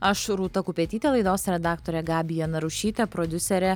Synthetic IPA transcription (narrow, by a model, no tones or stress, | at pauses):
ɐʃɾuːt̪ɐkʊpʲeːt̪ʲiːt̪ʲeːlˠɐɪd̪oːsɾʲɛd̪ɑːkt̪oːɾʲɛɡɑːbʲɪjɛnɐɾʊʃʲiːt̪ʲɛpɾod̪ʲʊsʲɛɾʲɛ